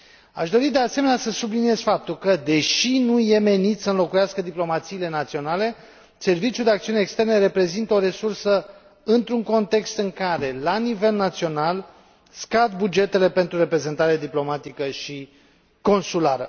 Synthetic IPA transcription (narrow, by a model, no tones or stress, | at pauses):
a̰ʃd̪o̞ɾid̪e̞ase̞menasəsublinie̞z̥fap̚t̪ulkəd̪e̞ʃinuje̞me̞nit̪ʲsəɨnlo̞kujaskəd̪iplo̞mat̪siːle̞nat̪sio̞nale̞ | se̞rvit͡ʃjuld̪eakt̪siuneːkst̪e̞rneɾe̞pɾe̞zint̪əo̞ɾe̞sursə | ɨnt̪ɾuŋko̞nt̪e̞kst̪ɨŋkaɾe̞lanive̞lnat̪sio̞nal | skad̪bud͡ʒe̞t̪e̞le̞pe̞nt̪ɾuɾe̞pɾe̞ze̞nt̪aɾead̪iplo̞mat̪ikəʃi | ko̞nsulaɾə̰